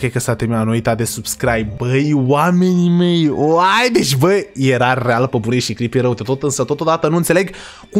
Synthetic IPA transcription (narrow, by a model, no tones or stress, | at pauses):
kɾejkəsat̪eminanoit̪ad̪esubskɾajb̚bəjwame̞nime̞joajd̪et͡ʃʲbəjje̞ɾarealpəbuɾiʃikɾipeɾəwd̪et̪o̞t̪ɨnsət̪o̞t̪od̪at̪ənuɨnt̪se̞leɡ | ku